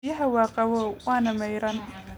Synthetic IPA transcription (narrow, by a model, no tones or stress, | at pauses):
jɐɦɐwɑːqɑwɔːwɑːnɐmɛjɾɐn